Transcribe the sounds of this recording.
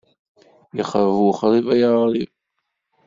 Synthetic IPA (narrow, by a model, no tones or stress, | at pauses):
jəχəvuχɾˤivæjəʁɾˤiv